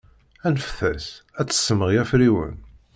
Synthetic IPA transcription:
ænəfθæsæt͡sːə̥sːəməʁjæfɾiwə̰n

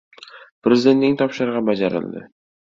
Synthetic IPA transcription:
pɾezɪd̪et̪nɪŋt̪ʰɒpʃɪɾʁɑbad͡ʒaɾɪ̰lˠd̪ɪ̰

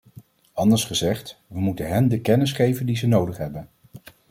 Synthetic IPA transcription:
ɑndəɹsχəzɛχtʋəmutənɦɛndəkɛnɪsχejvəndizənowdəχɦɛbən

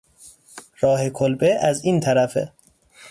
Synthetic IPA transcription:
ɾɒːhe̞kʰolbeʔæziːnt̪ʰæɾæfḛ

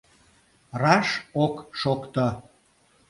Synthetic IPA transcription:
rɑʃokʃokt̪ə

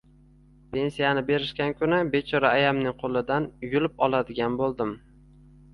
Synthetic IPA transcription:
pʰe̞nsijanɪbe̞ɾɪʃkʲankʲʰʊnɪbe̞t͡ʃʰɒɾaːjamnɪŋqʰolˠɪd̪anjʊlɪpɒlˠad̪ɪɡʲanbolˠd̪ɪm

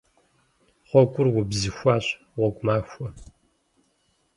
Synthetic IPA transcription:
χʷɔkʷʼʊrwʊbzɨxʷaːɕ | ʁʷɔɡʷmaːxʷɔ

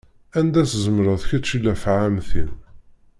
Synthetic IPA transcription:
ænd̪æszəmɾəðçæt͡ʃːilæfʕamθin

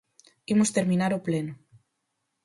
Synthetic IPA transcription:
imost̪eɾmĩnaɾopleno

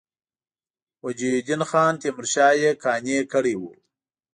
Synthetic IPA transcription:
wad͡ʒid̪inxɑːnt̪emɾɕɑːjekʰɑːnekəɽiwu

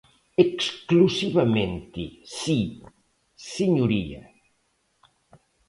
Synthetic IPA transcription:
eksklusiβɐmẽnt̪ḭsi | siɲuɾiɐ̰

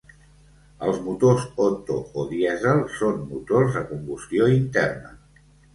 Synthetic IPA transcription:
əlˠzmut̪ozot̪o̰oðiɛzəlˠsonmːut̪orzðəkumbust̪joint̪ɛrnə

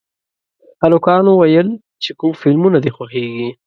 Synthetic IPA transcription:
xalʊkɑnowajəl | t͡ʃekumfɪlmunad̪exwaxeɡi

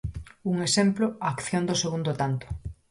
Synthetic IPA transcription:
uŋesemploaːkθjond̪oseɣund̪ot̪ant̪o̥

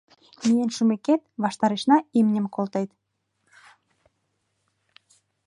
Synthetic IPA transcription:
mijenʃumeket̪̚βɑʃt̪ɑɾeʃnɑimnʲə̆mkolˠt̪ejt̪

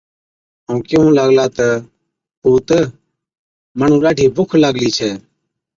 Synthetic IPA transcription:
əũːkɪũːlaːɡlaːt̪ə | puːt̪ə | məɳũːlaːʈʰiːbʊkʰlaːɡliːt͡ʃʰɛː

